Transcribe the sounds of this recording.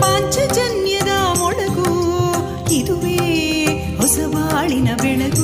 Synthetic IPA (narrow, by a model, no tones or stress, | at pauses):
maːɲd͡ʒɐd͡ʒɐnjɐd̪ɐmɔɭɐɡu | id̪uʋeː | ɦɔsɐʋaːɭinɐbɛɳɐd̪u